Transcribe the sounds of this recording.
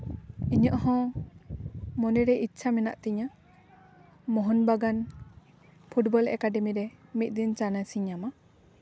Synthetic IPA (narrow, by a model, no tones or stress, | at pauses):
iɲɔʔhɔ̃ | mɔnɛɾɛʔit̪ːsʰamɛna̰ʔt̪ɛɲa | mɔɦɔnbaɡan | pʰuʈbɔlɛ̰kaɖɛmiɾɛmit̪̚ˀd̪int͡ʃanasiɲama